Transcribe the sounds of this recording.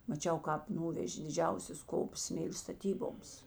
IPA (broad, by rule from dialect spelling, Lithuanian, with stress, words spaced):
mɐˈt͡ʃʲɛʊ ˈkɑːp ˈnʊʋʲɛʒʲeː dʲɪˈd͡ʒʲɛʊsʲɛs ˈkoːps ˈsʲmʲeːlʲeː stɐˈtʲiːboːms